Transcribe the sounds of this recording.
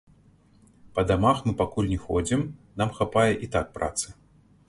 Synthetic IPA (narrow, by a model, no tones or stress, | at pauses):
pɐd̪amaxmɨpakulʲnʲɛxɔd͡zʲimnamxapajɛʔit̪ak̚pɾʔa̰t̪sɨ̥